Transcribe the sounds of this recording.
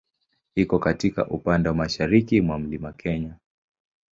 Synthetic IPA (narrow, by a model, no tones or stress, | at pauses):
hikɔkatika̰ʔupandɛwamaʃaɾikimwam̩limakʰɛɲa